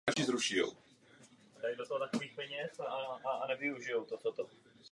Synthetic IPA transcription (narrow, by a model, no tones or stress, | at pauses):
aʒɪzɾuʃɪjo̰w | dajdo̞t̪oɦot̪akoviːxpɛɲɛsaʔanɛvɪuʒɪjowt̪ot̪ot̪o